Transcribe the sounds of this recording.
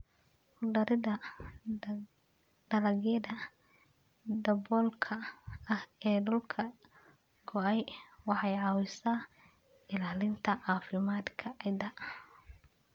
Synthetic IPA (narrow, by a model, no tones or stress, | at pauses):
hʊɖɐɾɪðɐ | ɖ̥ɐlɐɣɐd̪ɐ | d̪ɐbɔlkʰɐɐhɛːɖʊlkʰɐ | ɡɔɛjwɑħɑjʕɑwɪsaː | ɪlaːlɪnt̪ʰɐʕɑːfɪmaːd̪kʰɐʕɪd̪ɐ